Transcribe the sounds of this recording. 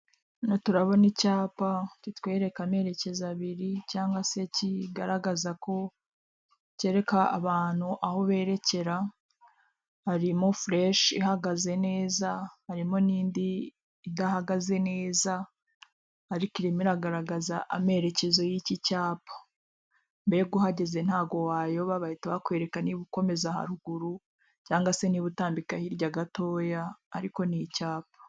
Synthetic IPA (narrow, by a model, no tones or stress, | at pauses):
notuɾaβonicaːpacitweːɾe̞kame̞ɾe̞ce̞zaβiɾicaːŋɡwase̞ciɡaɾaɡazako̞ | ce̞ːɾe̞ka̰ːβaːn̥huʔaho̞βe̞ːɾe̞ce̞ɾa | haɾimofɾeʃihaɡaze̞ne̞ːzahaɾimoniːndiː | dahaɡaze̞ne̞ːza | aɾikiɾimiɾaɡaɾaɡazaʔame̞ɾe̞ce̞zo̞jicicaːpʰḁ | mbeeɡuhaɟe̞ze̞nhaːɡo̞waːjo̞βaβahitaβakwe̞ːɾekaniβuko̞me̞zaha̰ɾuɡuɾu | caːŋɡase̞niβutaːmbikahiɾɟaɡato̞ːjaːɾiko̞nicaːp̚ḁ